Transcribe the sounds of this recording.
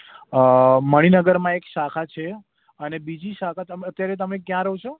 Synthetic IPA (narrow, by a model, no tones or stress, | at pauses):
məɽ̃inəɡəɾmãekʃakʰat͡ʃʰe | ənebid͡ʒiʃakʰat̪əmət̪ːjaɾet̪̬əmekjãɾəɦũt͡ʃʰo